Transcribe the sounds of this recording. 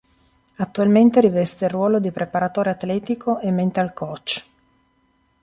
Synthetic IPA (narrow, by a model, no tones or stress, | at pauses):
at̪ːualment̪eɾivɛst̪erwɔːlod̪ipɾepaɾat̪oːɾeat̪lɛːt̪ikʰoʔemːent̪ealkɔt͡ʃː